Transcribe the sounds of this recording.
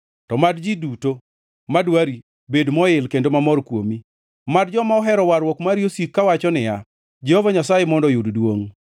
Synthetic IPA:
tɔmadd͡ʒiduto | madwaɾi | bedmɔɪlkendomamɔrkwomi | mad̚d͡ʒɔmaɔɦɛɾɔwaɾwɔkmaɾjosikːawat͡ʃɔnɪja | d͡ʒɛhɔvaɲasajemɔndɔjuddwoŋ

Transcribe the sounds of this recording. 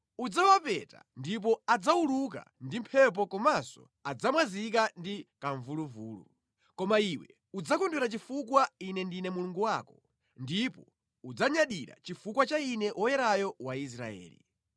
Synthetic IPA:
ud͡zawapɛta̰ndip̬ɔad͡zauluk̬a̰ndim̩pʰɛp̬ɔkɔmasɔ̰ | ad͡zamwazikandikaɱvuluvuːlṵ | kɔmaiwɛ̰ | ud͡zakɔnduɾat͡ʃifukwainɛndinɛmuluŋɡuwaːkɔ | ndipɔ | ud͡zaɲaɗiɾa̰t͡ʃifukwat͡ʃainɛʔɔjɛɾajɔwais̬ɾa̰ɛ̰ːlḭ

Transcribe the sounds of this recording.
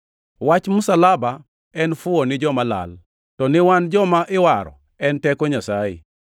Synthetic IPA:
wat͡ʃmʊsalaba | ɛnfʊɔnɪd͡ʒɔmala̰l | tɔnɪwand͡ʒɔmaʔɪwaɾɔ̰ | ɛntɛkɔɲasajḭ

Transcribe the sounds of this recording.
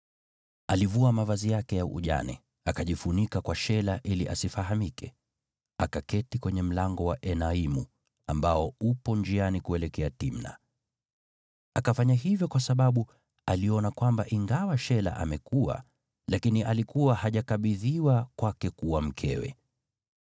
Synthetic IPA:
alivuamavazijakɛjaʔṵʄa̰nɛ̰ | akaʄifunikakwaʃɛlaʔiliʔasifaɦamikʰɛ | akakɛtikwɛɲɛm̩laŋɡɔwaʔɛnaimu | ambaɔupɔnd͡ʒianikuɛlɛkɛatim̩na̰ | akafaɲaɦivjɔkwasaɓaɓu | aliɔnakwambaʔiŋɡawaʃɛla̰ʔa̰mɛkua̰ | lakiniʔalikuwahaʄakaɓiðiwakwakɛkuwam̩kʰɛ̰wɛ̰

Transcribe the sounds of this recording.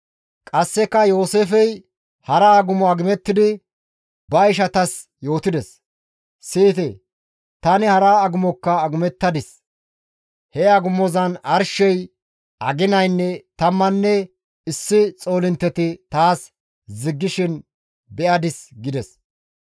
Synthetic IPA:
kʼɐsːɛkːɐjo̞ːseːfɛj | hɐɾaːɡʊmɔɐɡɪmɛt̪ːɪd̪ɪ | bɐɪʃ̬ɐt̪ɐs | jo̞ːt̪ɪd̪ɛs | siːt̪ɛ | t̪ɐnɪhɐɾaːɡʊmɔkːɐːɡʊmɛt̪ːɐd̪ɪs | hɛɐɡʊmɔzɐnɐɾʃɛj | ɐɡɪnɐjnːɛt̪ɐmːɐnːɛ | ɪsːɪt͡sʼo̞ːlɪnt̪ːɛt̪ɪt̪aːs | zɪɡːɪʃɪn | bɛʔɐd̪ɪsɡɪd̪ɛs

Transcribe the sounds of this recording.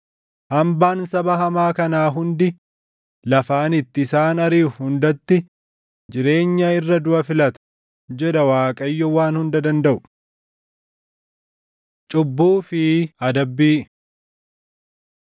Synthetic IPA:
hɐmbaːnsɐbɐɦɐmaːkɐnaːɦʊnd̪ɪ | lɐfaːnɪt̪ːɪɪsaːnɐɾiːhʊnd̪ɐt̪ːɪ | d͡ʒɪɾe̞ːɲːɐɪrːɐd̪ʊʔɐfɪlɐt̪ɐ̥ | d͡ʒɛᶑ̪ɐwaːkʼɐjːɔwaːnhʊnd̪ɐd̪ɐnd̪ɐʔʊ | t͡ʃʼʊbːuːfɪɐd̪ɐbːiː

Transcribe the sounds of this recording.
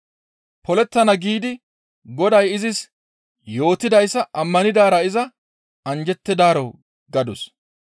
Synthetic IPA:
pɔlɛt̪ːɐnɐɡiːd̪ɪ | ɡɔd̪ɐjɪzɪs | jo̞ːt̪ːɪd̪ɐjsːɐʔɐmːɐnɪd̪aːɾɐɪzɐ | ɐnd͡ʒɛt̪ːɪd̪aːɾɔ | ɡɐd̪ʊs

